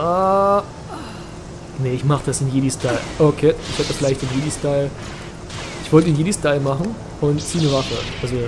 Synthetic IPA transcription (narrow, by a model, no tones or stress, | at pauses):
a | nəɪçmaχəd̥asɪnjedistaɪlʔokʰeːɪçhɛtəfɪlaɪçtd̥ɪnjeːdistaɪl | ʔɪçv̥ɔltəenjeːdistaɪlmaχn̩ | ʊntt͡siːnəvafəʔalzo